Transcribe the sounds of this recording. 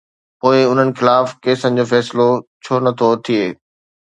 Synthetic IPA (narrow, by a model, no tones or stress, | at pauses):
poːɪʊn̤ənɪ̆xɪlaːfkeːsənɪ̆d͡ʑoːfɛːslot͡ɕʰoːnɐt̪ʰot̪ʰieː